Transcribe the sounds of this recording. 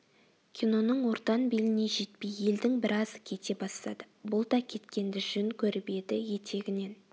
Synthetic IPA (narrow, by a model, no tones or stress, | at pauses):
kʲʰino̞nəɴwo̞ɾt̪ɑnbelɪne̞ʒe̞t̪peje̞ld̪ɪŋbɪɾʔɑzkʲʰe̞t̪e̞bɑst̪ɑ̰d̪əbʊlˠd̪ɑkʲʰe̞t̪kʲe̞nd̪ɪʒʏŋkʲʰɵɾɪbe̞d̪ɪje̞t̪ʰe̞ɡʲɪne̞n